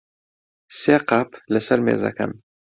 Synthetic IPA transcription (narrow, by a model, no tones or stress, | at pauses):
seːqɑpləsɐɾmḛːzɐ̰kɐ̰m